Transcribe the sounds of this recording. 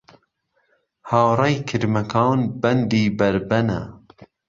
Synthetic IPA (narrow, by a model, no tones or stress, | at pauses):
haːwrˤɛjkʰɨɾmɐkʰɑːnbɛnd̪iːbɐɾbɛna̰